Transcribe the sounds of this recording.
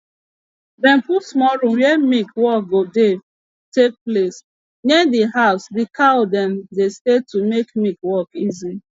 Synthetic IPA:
dɛ̃mpusmɔɾũmjemikwɔk̚ɡode | tek̚ples | nediɦaʊsdikadɛ̃mdestetumekmikwɔkizi

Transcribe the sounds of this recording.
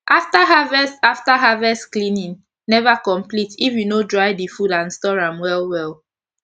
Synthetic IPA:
ʔaftaɦavɛsaftaɦavɛsklĩnĩn | nɛvakɔ̃mplitifjunodɹajdifudãnstɔɡɹãmwɛlwɛl

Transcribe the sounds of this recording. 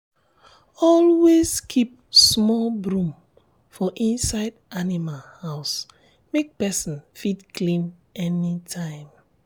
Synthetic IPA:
ɔlweskʰip̚smɔlbɹũm | fɔʔĩnsaɪdʔanimalhaʊs | mek̚pɛsĩnfidklĩmɛnitʰãɪ̃m

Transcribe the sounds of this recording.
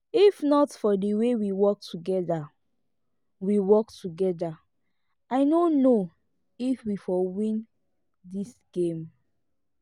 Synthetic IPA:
ifnɔtfɔdəwewiwɔk̚tʰuɡɛda | wiwɔktuɡɛda | ʔaɪnono | ifwifɔwĩn | disɡ̥ẽm

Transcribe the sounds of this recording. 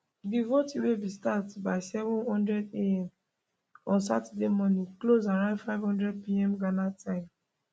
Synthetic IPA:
divotiwebistatbaɪsɛvɔ̃nhɔ̃ndɹɛdeɛ̃m | ɔ̃nsa̰tdemɔ̃nĩklozaɹãʊ̃ndfaɪvhɔ̃ndɹɛd̚piɛ̃mɡanatʰãɪ̃m

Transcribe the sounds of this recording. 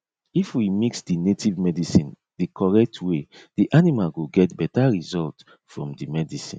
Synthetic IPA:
ifwimiksdinetʰivmɛdisĩn | dikʰɔɹɛk̚tʰwed̥iʔanimalɡoɡɛtbɛtaɹizɔlt | fɹɔ̰̃mdimɛdisḭ̃n

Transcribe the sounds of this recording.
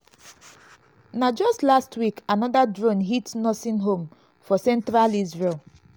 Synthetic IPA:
nad͡ʒɔstlastʰwikanɔdadɹõnɦitsnɔsĩnɦõm | fɔsɛ̃ntɹalizɹelˠ

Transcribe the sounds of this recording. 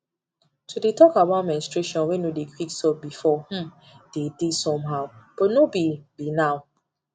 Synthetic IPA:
tʰudetɔkabatmɛ̃nstɹeʃɔ̃nwenodekʰwiksɔbifɔh̩m | d̥edesɔ̃mɦaʊb̥ɔtnobibinaʊ

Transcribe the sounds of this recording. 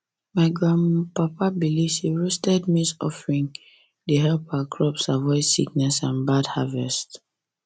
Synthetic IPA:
maɪɡɹãnpapabilivsiɹustɛd̚misɔ̰fɹĩŋ | deɦɛlpakʰɹɔpsavɔɪdsik̚nɛsãnbadhavɛst

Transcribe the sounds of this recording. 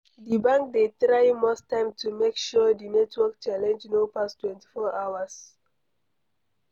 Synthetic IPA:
dibãŋk̚detɹaɪmɔstãɪ̃mtʰumekʃɔdinɛtʰwɔkt͡ʃalɛ̃nd͡ʒnopastwɛ̃nti̥fɔʔaʊwas

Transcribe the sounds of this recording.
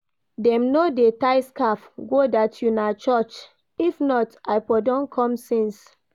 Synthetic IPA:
dɛ̃mnodetaɪskafɡodatʰjunat͡ʃɔt͡ʃ | ifnɔtaɪpɔdɔ̃nkʰɔ̃msĩns

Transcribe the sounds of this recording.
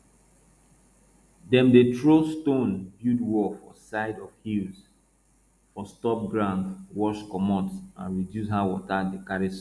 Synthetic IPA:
dɛ̃mdetʰɹostõnbjudwɔfɔsaɪdɔv̥hils | fɔstɔp̚ɡɹãʊ̃ndwɔʃkɔmɔ̃tsã̰nɹidjushawɔtadekaɹis

